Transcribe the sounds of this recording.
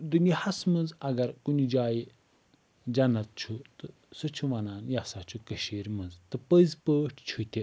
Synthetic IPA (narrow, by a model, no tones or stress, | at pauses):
d̪ɨnihɐsmɐnd͡zɐɡɐɾkunid͡ʒaːji | d͡ʒɐnɐt̪̚t͡ʃʰut̪ɨ | sɨt͡ʃʰuʋɐnaːnjasat͡ʃukɐɕeːɾʲmɐnd͡zt̪ɨpəzpəːʈʰt͡ʃʰut̪ʲe